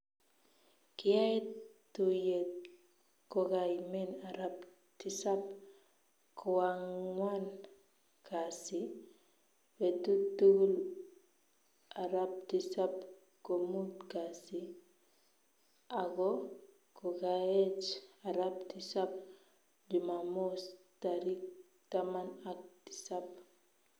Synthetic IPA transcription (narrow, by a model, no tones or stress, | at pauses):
kiaetːujet | koɡajmenaɾap | tisap̚ | kʰɔwaŋwan | kʰasi | wetutːuɡul | ʔaɾap̚tisap̚ | komutkasi | aɡo | koɡaet͡ʃaɾap̚tisap̚ | d͡ʒumamostaɾik̚ | tamanak̚ti̥sap